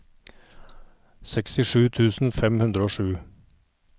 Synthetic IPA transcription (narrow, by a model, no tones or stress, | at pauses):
sɛkst̪ɪʂʉːt̪ʰʉːsn̩fɛmhʉnd̪ɾəoːʂʉː